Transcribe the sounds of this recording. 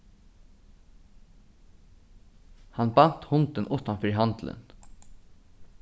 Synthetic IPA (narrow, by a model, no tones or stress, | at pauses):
hɑnbɑn̥t̪hʊnt̪ənʔʊt̪anfœɹɦɑnt̪lə̰n